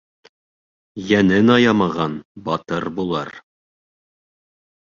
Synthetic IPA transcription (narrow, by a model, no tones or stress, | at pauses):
jænɘnɑjɑmɑʁɑnbɒt̪ɤɾbulˠɑɾ